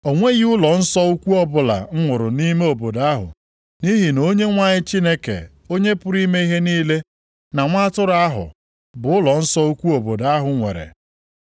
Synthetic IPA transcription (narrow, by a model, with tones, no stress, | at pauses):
o˨ŋʷe˦ɣi˦ʊ˦lɔ˨n̩˦sɔ˦u˦kʷu˦ɔ˦bʊ˨la̰˨ŋ̩˦ŋʷʊ˨ɾʊ˨ni˦me˦o˨bo˨da˦ɦʊ̰˨ | ni˦ɦi˨no˦ɲe˦ŋʷa˦ɲɪ˦t͡ʃi˦ne˦kḛ˨ | o˦ɲe˦pʊ˦ɾi˦me˦i˦ɦe˦niː˦le˦ | na˨ŋʷa˦tʊ˦ɾa˦ɦʊ̰˨ | bʊ˨ʊ˦lɔ˨n̩˦sɔ˦u˦kʷu˦o˨bo˨da˦ɦʊ˨ŋʷḛ˨ɾḛ˨